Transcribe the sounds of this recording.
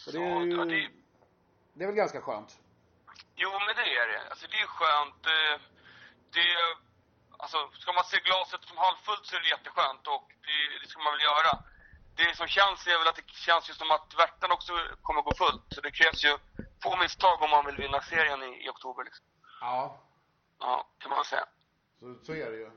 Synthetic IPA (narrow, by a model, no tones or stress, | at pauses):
sɔdɔad̪ɛ | d̪ɛːvɛlɡanskaɧø̰ːnt̪ | juːmɛnd̪ɛæɖɛ̰a̰lsɔd̪ɛːɧøːnt̪̚d̪ɛ | d̪̥ɛ | a̰lsɔskamanseːɡlɑːsət̪sɔmhalvfɵlt̪sɔæɾɛjɛt̪ːəɧøːnt̪ɔkd̪ɛd̪ɛskamanvɪljœːɾa | d̪ɛlɪksɔmɕɛnsævɛlat̪̚d̪ɛɕɛnsjɵsɔmat̪væʈːanɔksɔkʰɔmːəɾɡoːfɵlt̪sɔd̪ɛkʰɾɛːvsjɵfoːmɪst̪ʰɑːɡɔmːanvɪlvɪnːaseːɾɪənɪɪ̰ɔk̚t̪ʰuːbəɾɭɪksɔ̥mː | ʔɑ̰ːkʰanmanvɛlsɛ̰jːa̰ | sæɾɛj